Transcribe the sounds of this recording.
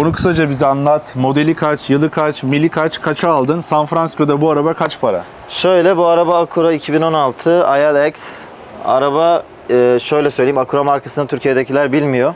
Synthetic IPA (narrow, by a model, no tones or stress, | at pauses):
bonukʰɯ̥sad͡ʒabizianlˠat̪mo̞d̪e̞lʲikʰat͡ʃjɯlˠɯkʰat͡ʃmilʲːikʰat͡ʃkʰat͡ʃʰaːlˠd̪ɯnsanfɾanscʰod̪abuaɾabakʰat͡ʃpʰaɾa̰ | ʃø̞jlʲɛbuaɾabaːkʰuɾaicʰibino̞nalˠt̪ʰɯajalʲɛcs | a̰ɾabaː | ʃø̞jlʲɛsøjlʲeimakʰuɾamaɾkʰasɯnd̪at̪ʰyɾcʰijed̪ecʰilʲæɾbilʲmijo